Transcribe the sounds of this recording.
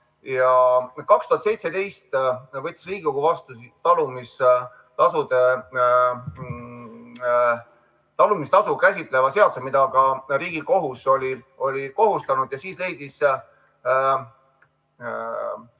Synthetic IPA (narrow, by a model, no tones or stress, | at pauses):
jɑkɑkst̪uhɑt̪se̞jt̪sed̪e̞jst̪vɤt̪ʲːˑi̥sriːɡukuvɑst̪usit̪ɑlumis | t̪ɑsud̪e | t̪ɑlumist̪ɑsukæsʲit̪ˑle̞vɑse̞ɑt̪sumid̪ɑɡɑɾiːɡ̥iko̞ɦuso̞lʲi | o̞lʲiko̞ɦust̪ɑnud̪̥jɑsiːsle̞jd̪̥is